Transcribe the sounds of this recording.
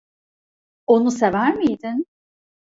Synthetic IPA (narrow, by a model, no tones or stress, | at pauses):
o̞nusevæɾmijd̪ɪn